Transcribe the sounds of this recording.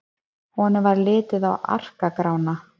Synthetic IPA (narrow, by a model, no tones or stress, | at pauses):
hɔɔɔnːɪvaɾlɪːt̪ɪðawʔa̰r̥kakɾawna